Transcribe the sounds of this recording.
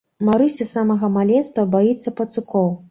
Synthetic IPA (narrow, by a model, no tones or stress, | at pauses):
maɾɨsʲɐsamɐɣɐmalʲɛnst̪vɐbajit̪sːɐpɐt̪sɨkɔw